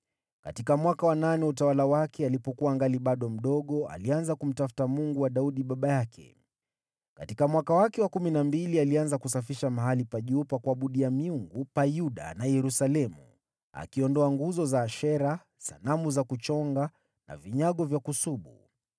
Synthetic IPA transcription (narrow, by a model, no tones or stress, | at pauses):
ka̰tikamwakawananɛutawalawakɛalipɔkuwaŋɡaliɓaɗɔm̩ɗɔɠɔa̰lianzakum̩tafu̥tamuŋɡuwaɗauɗiɓaɓajakʰɛ̰ | katikamwakawakɛwakuminambilialianzakus̬afiʃamaɦalipaʄupakwaɓuɗiamiuŋɡupajuɗa̰najɛɾusalɛmṵ | a̰kiɔndɔaŋɡuzɔzaːʃɛɾa | sa̰namuzakut͡ʃɔŋɡa | na̰viɲaɠɔvjakusuɓṵ